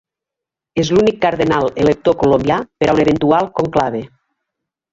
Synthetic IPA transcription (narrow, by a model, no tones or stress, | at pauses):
ezlunikːaɾðenalˠelek̚t̪okolombjapeɾauneβ̞ent̪ualˠkoŋklaβe